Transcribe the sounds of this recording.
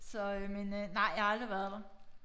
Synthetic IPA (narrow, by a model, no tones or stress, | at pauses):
sɒ̽ømenønɑ̈ɪ̰jɑhɑ̈ɑld̥ʁiʋæɐðˠd̥ɑ̈